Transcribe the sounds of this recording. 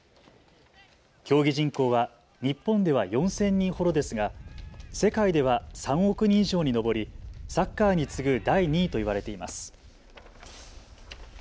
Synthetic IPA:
kʲo̞ːɡʲiʑĩŋko̞ːβa | ɲ̟ipːõ̞nd̪e̞β̞ajõ̞sẽ̞ɲ̟ːĩɰ̃ho̞d̪o̞d̪e̞sɨɡase̞kaid̪e̞β̞asãɰ̃o̞kɯ̟ɲ̟ĩiʑo̞ːɲ̟ino̞bo̞ɾʲisakːaːɲ̟it͡sɨɡɯ̟d̪aiɲ̟iːt̪o̞iβaɾe̞t̪e̞ima̰sɨ̥

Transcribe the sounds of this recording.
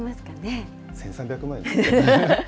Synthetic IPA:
masɨ̥kane | sẽɰ̃sãmbʲjakɯ̟mãĩ

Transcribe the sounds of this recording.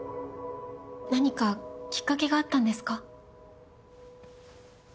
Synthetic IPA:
naɲ̟ikakʲi̥kːake̞ɡaːt̪ːãnd̪e̞sɨ̥ka

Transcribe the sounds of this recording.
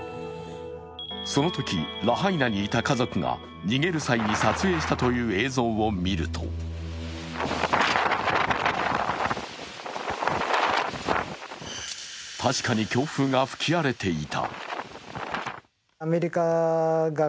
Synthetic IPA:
so̞no̞t̪o̞kʲiɾaɦainaɲ̟iːt̪akazo̞kɯ̟ŋa̰ | ɲ̟iɡe̞ɾɯ̟saiɲ̟isat͡sɨe̞ːɕi̥t̪at̪o̞jɯ̟ːe̞ːzõ̞ːo̞mʲiɾɯ̟t̪ʰo̞̰ | t̪ʰaɕi̥kaɲ̟ikʲo̞ːɸɯ̟ːŋɡaɸɯ̟̥kʲʰiaɾe̞t̪e̞it̪ʰa̰ | meɾʲikaɡa

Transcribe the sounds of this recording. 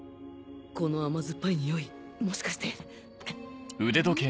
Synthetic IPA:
ko̞no̞amazɨpːaiɲ̟ijo̞i | moɕi̥kaɕi̥t̪e | ɯ̟d̪e̞d̪okẽ

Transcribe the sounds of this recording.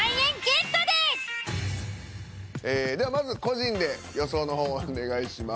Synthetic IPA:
aiẽŋɡet̪od̪e | eːd̪e̞βamazɨko̞ʑĩnd̪e̞jo̞so̞ːno̞ɦo̞ːne̞ɡaiɕima

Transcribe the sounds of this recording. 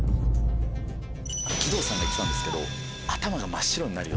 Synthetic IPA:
kʲid̪o̞ːsãŋɡaikʲit̪ãnd̪esɨ̥ke̞d̪o̞̰ | at̪amaɡamaɕːiɾo̞ɲ̟inaɾɯ̟o̰

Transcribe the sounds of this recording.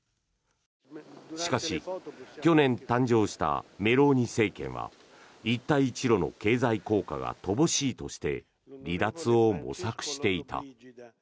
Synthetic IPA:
ɕi̥kaɕikʲo̞nẽ̞nt̪ãɲ̟d͡ʑo̞ːɕi̥t̪a̰me̞ɾo̞ːɲ̟ise̞ːkẽ̞̰ɰ̃βa̰ | it̪ːaiːt͡ɕiɾo̞no̞ke̞ːzaiko̞ːka̰ɡa̰t̪o̞bo̞ɕiːt̪o̞ɕi̥t̪e̞ | ɾʲid̪at͡sɨo̞mo̞̰sakɯ̟̥ɕi̥t̪e̞it̪a̰

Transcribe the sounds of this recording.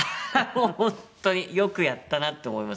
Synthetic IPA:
mohõnt̪ːo̞ɲ̟ijokɯ̟jat̪ːanat̪ːe̞oːmo̞imas

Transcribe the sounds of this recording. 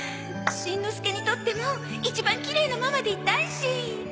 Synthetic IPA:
ɕĩnːo̞sɨ̥ke̞ɲ̟it̪o̞t̪ːe̞mo̞ | it͡ɕibãŋkʲiɾe̞ːnamamad̪e̞it̪ːaiɕi

